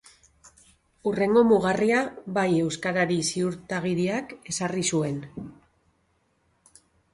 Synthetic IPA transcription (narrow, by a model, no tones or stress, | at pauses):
ure̞ŋɡo̞muɣariaβaje̞wskaɾaɾisiuɾt̪aɣ̞iɾiake̞sarisue̞n